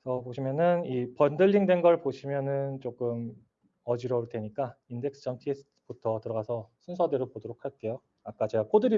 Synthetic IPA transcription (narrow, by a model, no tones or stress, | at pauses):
sʰʌpoɕʰimjʌnɯnipʌndɯʎːiŋdwe̞nɡʌɭpoɕʰimjʌnɯnt͡ɕ͈ok͈ɯm | ʌd͡ʑiɾʌuɭtwe̞ɲik͈ainde̞k̚s͈ʰɯ̥d͡ʑʌmtʰies͈ʰɯ̥ | butʰʌtɯɾʌɡasʰʌsʰunsʰʌdeɾɯɭpodoɾokʰaɭk͈e̞jo | ak͈at͡ɕe̞ɡak͈ʰodɯɾi